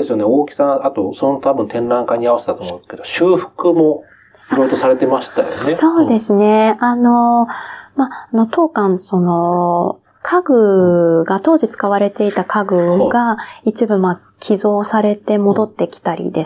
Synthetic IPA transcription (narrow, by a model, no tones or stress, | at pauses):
esɨjoneoːkʲi̥sãat̪osonot̪ʰabɯ̟̃nt̪ẽ̞nɾãŋkaɲ̟iaβase̞t̪at̪omõne̥sked̪oɕɨːɸɯ̟̥kɯ̟mo̞ | iɾojot̪o̞saɾe̞t̪e̞maɕi̥t̪ajoneso̞ːd̪e̞sɨne̞ano̞ | mano̞t̪o̞ːkãɰ̃so̞no̞ | kʰaɡɯ̟ɡat̪o̞ːʑit͡sɨ̥kaβaɾe̞t̪e̞it̪akʰaɡɯ̟ɡait͡ɕibɯ̟ma | kʲʰizo̞ːsaɾe̞t̪e̞mo̞d̪o̞t̪ːe̞kʲi̥t̪aɾʲḭd̪e̞